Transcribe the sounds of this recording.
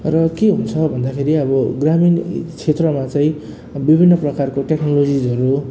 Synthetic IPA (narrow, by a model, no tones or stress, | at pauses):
rʌkeɦunt͡sʰʌbʱʌnd̪akʰeɾiʌbʌɡramint͡sʰet̪rʌmat͡saĩ | bibʱinːʌprʌkarkoʈeknolod͡zid͡zʌɾu